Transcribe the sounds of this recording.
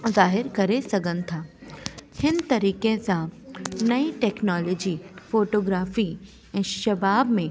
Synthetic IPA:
zaːɦɪɾkɐɾesɐɡə̃nt̪ʰaː | hɪnt̪ɐɾiːkẽsanɐiʈɛːknɔːlɔːd͡ʒiːfoːʈoːɡɾaːfi | ɛ̃ʃɐbaːbmẽ

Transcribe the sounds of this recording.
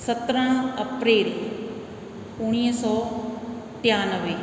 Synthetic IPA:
sət̪ɾəɽ̃əpɾeːl | ʊɽ̃iːɦsɔː | ʈjaːnəʋe

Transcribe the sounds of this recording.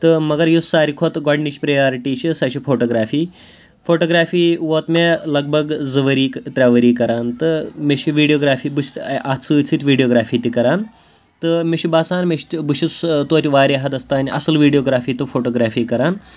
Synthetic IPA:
t̪ɨmɐɡɐɾjusːaːɾikʰoːt̪ɡɔɖnit͡ʃpɾɐjaːɾiʈiːt͡ʃʰisaʃifʰoːʈoːɡɾaːfiː | foːʈoːɡɾaːfiːʋoːt̪melɐɡ̚bɐɡd͡zɨʋəɾiːkt̪ɾʲaʋəɾiːkɐɾaːnt̪ɨmeʃʰiʋiːɖijoːɡɾaːfiːbɨst̪ʔat̪t͡sɨt͡sʰit̪ʲʋiːɖijoːɡɾaːfiːt̪ikɐɾaːn | t̪ɨmeʃibaːsaːnmeʃt̪bɨʃist̪uɐt̪ʲiʋaːɾaɦɐt̪ɐst̪aːnʲʔɐ̰sɨlʋiːɖijoːɡɾaːfiːt̪ɨfoːʈoːɡɾaːfiːkɐɾaːn

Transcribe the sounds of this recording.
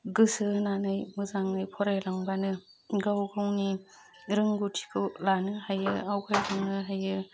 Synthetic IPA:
ɡɯsɯnanɯjmɯzaŋɯjpʰɔɾajlaŋbanɯ | ɡawɡawni | ɾɯŋɡutʰi̥kʰɯlanɯhajɯawkʰajlaŋnɯɦajɯ

